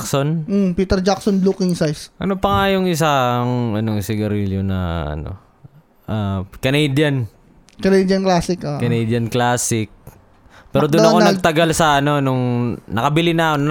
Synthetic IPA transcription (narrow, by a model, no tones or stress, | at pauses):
kson̩piːt̪ɛɾd͡ʒaksonlukɪŋsajsʔɐnopɐŋajʊŋɪs̬aŋɐnoŋsɪɡɐɾiljonɐ̰ʔɐ̰no̞̰ | ʔakɐnejd̪jɐn | kɐnejd̪jɐnklaːsɪkakɐnejd̪jɐnklaːsɪk̚ | pɛːɾod̪ʊnʔɐkonɐɡ̚t̪ɐɡalsɐʔɐno̞noŋnɐkɐbɪlɪnakon